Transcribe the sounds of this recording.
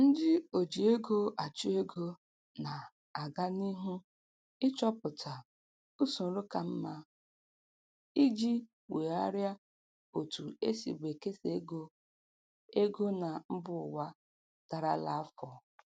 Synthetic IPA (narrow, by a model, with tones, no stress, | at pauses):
n̩˦dɪ˦o˨d͡ʒi˨e˦ɡo˦a˨t͡ʃʊ˦e˦ɡo˦ | na˨ | a˨ɡa˦ni˦ɦu˦ | ɪ˦t͡ʃɔ˦pʊ˨tʰa˨ | u˦su˨n̩˦ɾʊ˦ka˨m̩˦ma˦ | i˦d͡ʒi˦ | we˨a˦ɾja˦ | o˨tu˨ḛ˦sḭ˨ɡ͡bʷe˨ke˦se˨˦ɡo˦ | e˦ɡo˦na˨m̩˦bʊ˦˨ʊ˨wa˦ | ta˨ɾa˦la˦fɔ˨